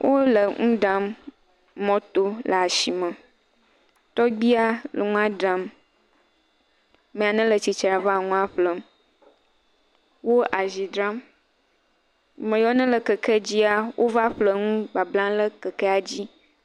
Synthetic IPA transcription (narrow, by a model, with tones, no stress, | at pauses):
wʔo˦lə˨ŋũ˦ɖa˦mː | ɔ̃˦t̪o˦lə˨a˨ʃi˨mə̃˨ | t̪ɔ˦ɡ͡bi˦a˦lə̰˨ŋũ˦a˦dɾa˨m | mẽ˨a˨nə̃˦lə˨t͡ɕi˨t͡ʃɾa˨va˦˨ŋũ˦a˦ɸlə˨m | wo˦ʔa˨zi˨d̪ɾa˦m˨ | mə̃˨jɔ˦nə̃˦lə˨kə˨kʰə˦d͡ʑi˦a˦wʔo˦va˦ɸlə˨ŋũ˦ɡ͡ba˨blã˦lə˦kə˨kɛ˦a˨d͡ʑi˦